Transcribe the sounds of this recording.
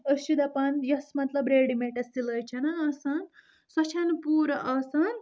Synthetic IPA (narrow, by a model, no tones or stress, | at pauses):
əsid̪ɐpɐnjɐsmɐt̪lɐbɾeːɽimeʈɐsilɐjt͡ʃʰɐnɐɐsɐn | sɐt͡ʃʰɐnpuːɾɐʔɐsɐn